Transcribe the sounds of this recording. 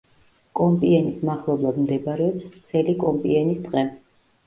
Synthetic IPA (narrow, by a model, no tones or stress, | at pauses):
kʼɔmpʼiɛnismaχlˠɔblˠad̪md̪ɛbaɾɛɔpst̪sʰɛlikʼɔmpʼḭɛnisd̪ʼqʼɛ